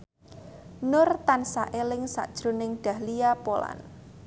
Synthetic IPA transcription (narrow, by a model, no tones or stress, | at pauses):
nʊrt̪ansaʔelɪŋsa̰ʔd̥ʒ̥ɾonɪŋɖ̥a̤hliapola̰n